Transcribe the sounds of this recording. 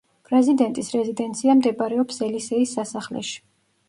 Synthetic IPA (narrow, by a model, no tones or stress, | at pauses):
pʼɾɛzid̪ɛnt̪ʼisɾɛzid̪ɛnt̪sʰiamd̪ɛbʼaɾɛɔpsɛlisɛisːasaχlɛ̰ʃi̥